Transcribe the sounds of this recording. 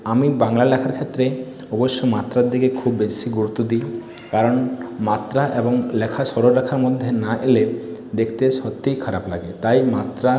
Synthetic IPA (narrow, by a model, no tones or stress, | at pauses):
amibaŋlalɛkʰaɾkʰet̪ːɾe | ɔboʃːomat̪ɾaɾd̪iɡekʰubːesiɡuɾut̪ːod̪i | kaɾɔnmat̪ɾaʔebɔŋlɛkʰaʃɔɽoɾakʰaɾmɔd̪ʱːenaʔeled̪ekʰt̪eʃɔt̪ːijkʰaɾapla̰ɡet̪ajmat̪ɾa